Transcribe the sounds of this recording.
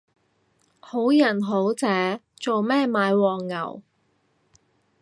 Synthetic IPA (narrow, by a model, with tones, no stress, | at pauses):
ho˨˥wjɐ˨˩nɦo˨˥wt͡sɛː˨˥t͡so˨wmɛː˥˩maː˨˧˥jwɔː˨˩ŋːɐ̰˨˩w